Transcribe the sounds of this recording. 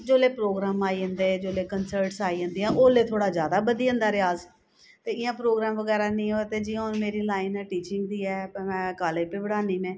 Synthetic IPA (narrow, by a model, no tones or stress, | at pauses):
d͡ʒoːleːpɾoːɡɾaːmaːiːɦə̃nd̪eːd͡ʒoːleːkənsəɾʈsaːiːɦə̃nd̪iːãːʔoːleːt̪ʰoːɽaːd͡ʒjaːd̪aːbəd̪iːə̃nd̪aːɾɪaːz | t̪eːɪjãːpɾoːɡɾaːmʋəɡɛːɾaːnĩːoːt̪eːd͡ʒiãːnːmeːɾiːlaːinɛːʈiːt͡ʃɪŋɡd̪iːɛːɛ̃ːkaːlepeːbəɽaːniːmɛ̃ː